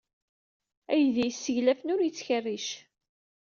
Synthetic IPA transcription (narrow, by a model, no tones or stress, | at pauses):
æjðæjsːəʝlæfnʊɾjət͡sːçərːiʃ